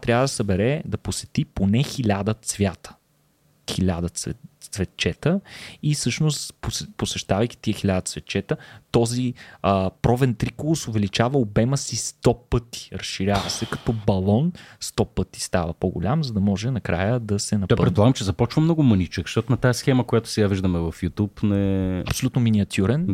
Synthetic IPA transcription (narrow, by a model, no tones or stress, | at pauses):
t̪ɾʲavəd̪ɐsɐbɛɾɛd̪ɐposɛt̪iponɛxilʲad̪ət̪svʲjat̪ə̥ | xilʲad̪əɛsvɛt̪̚t͡ʃɛt̪əisɤʃnost̪pposɛʃt̪avəjki̥t̪iəxilʲad̪ət̪svɛt̪̚t͡ʃɛt̪ət̪ɔziəpɾɔvɛnt̪ɾikʊlˠʊsʊvɛlit͡ʃavəobɛməsist̪ɔpɤt̪i̥ɾɐsʃiɾʲjavəsɛkɐt̪ɔbɐlˠɔnst̪ɔpɤt̪i̥st̪avɐpoɡʊ̰lʲamzɐd̪ɐmɔʒɛnɐkɾa̰jəd̪ɐsɛnɐp̪ɔjppɛt̪polˠaɡəmt͡ʃɛzɐpɔt͡ʃvɐmnɔɡʊmənʲit͡ʃəkʃt̪ɔt̪ʊnɐt̪aɛsxɛməkʊjat̪ʊ̥sɛɡaviʒd̪əmɛvɐfjut̪upnɛɐpsolʲut̪nominiɐt̪ʲʰjuɾɛn